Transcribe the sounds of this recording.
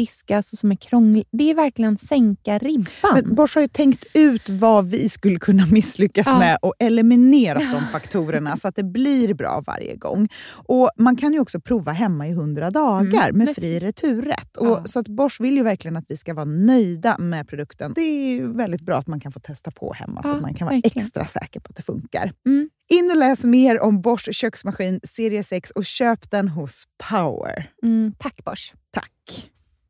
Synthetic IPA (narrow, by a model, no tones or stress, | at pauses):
ɪskasɔsɔmæɾkʰɾɔŋd̪ɛæɾvæɾklɪɡənsɛŋkaɾɪbamɛnbɔʂhaɾjɵt̪ʰɛŋkt̪ʉ̟ːt̪vavɪskɵlːəkʰɵnːamɪsːlʏkːasmɛʔɔʔɛlɛmɪneːɾad̪ɔmfakt̪ʰuːɾəɳasɔat̪̚d̪ɛbliɾbɾɑ̰ːva̰ɾjə̰ɡɔ̰ŋːʔɔmankʰanjɵɔksɔpʰɾuːvaɦɛmːaɪɦɵnd̪ɾad̪ɑːɡaɾmɛfɾiːɾɛt̪ʰʉ̟ːɾɛ̰t̪ːɔsɔat̪bɔʂvɪljɵvæɾklɪɡənat̪vɪskavɑːɾnœjd̪amɛpʰɾʊd̪ɵkt̪ənd̪ɛjvɛld̪ɪt̪̚bɾɑ̰ːat̪mankʰanfoːt̪ʰɛst̪apʰɔ̰hɛ̰mːa̰sama̰nkʰanɑɾaɛkkst̪ɾa̰sɛ̰ːkəɾpʰɔat̪̚d̪ɛfɵ̰ŋka̰ɾ | ɪnːɔlɛːsmeːɾɔmbɔʂɕœksmaɧiːnseːɾɪəsɛksɔɕøːpd̪ɛnɦʊspʰaʊə̰ɾt̪ʰakːb̥ɔt̪ʰa̰kː